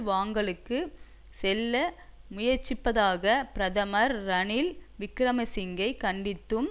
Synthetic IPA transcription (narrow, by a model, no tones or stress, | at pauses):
ʋaːŋɡɐɭɯkːɯ | sɛlːɐmʊjɐɾt͡ʃːɪpːɐðaːɣɐpɪɾɐðɐmɐɾːɐɳɪlʋɪkːɾɐmɐsɪŋɡɐɪkɐɳɖɪt̪ːɯm